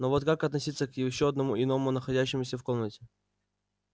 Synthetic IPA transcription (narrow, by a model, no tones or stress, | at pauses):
novot̪kakɐt̪nɐsʲit̪sːəkjɪɕːoɐd̪nɐmuʔɪno̞mʊnəxɐdʲæɕːɪmʊsʲəfko̞mnətʲɪ̥